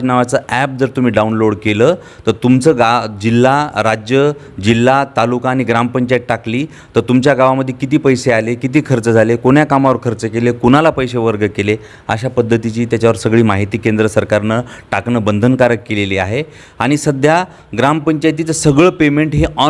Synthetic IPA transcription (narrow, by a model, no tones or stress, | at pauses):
naʋat͡səːæp̚d͡zəɾt̪um̤iːɖaunloɽkeləː | t̪əɾt̪umt͡səɡad͡ʑilːaɾad͡ʑjə | d͡ʑilːat̪alukãːɽ̃iɡɾampəɲt͡ɕajiʈ̚ʈakliː | t̪əɾt̪umt͡ɕjaɡaʋaməd̪ʱːjekit̪iːpəjsealekit̪iːkʰəɾt͡səd͡zʱalekoɳjakamaʋəɾkʰəɾt͡səkelekunalapəjɕeʋəɾɡəkele | ə̰ɕapəd̪ʱːət̪it͡ɕiːt̪jat͡ɕaʋəɾsəɡɭiːmaɦit̪iːkend̪ɾəsəɾkaɾnəʈaknəbənd̪ʱənkaɾəkkːeleliːaɦe | aɽ̃isəd̪ʱja | ɡɾampəɲt͡ɕajt̪̬iːt͡səsəɡɭəpemeɳʈɦeʔɔ